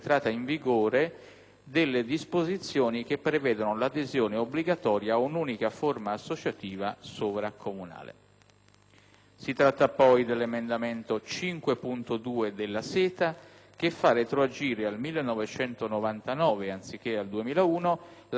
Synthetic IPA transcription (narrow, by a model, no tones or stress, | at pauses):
t̪ɾaːt̪ːaiɱviɡoːɾe | d̪elːed̪ispozit̪sːjoːnik̟epːɾevɛːd̪onolad̪ezjoːneobliɡat̪ɔːɾjaːunuːnikaformaːsːot͡ʃat̪iːvasoːvɾakʰomuna̰ːlḛ | sit̪ɾat̪ːapɔjd̪elːemend̪ament̪ot͡ʃiŋkwepunt̪od̪uːed̪elːasɛːt̪a | k̟efːaret̪ɾoad͡ʒiːɾealmilːenːɔvet͡ʃɛnt̪onovant̪anɔːveant̪sik̟ːeald̪uemiːlauːnol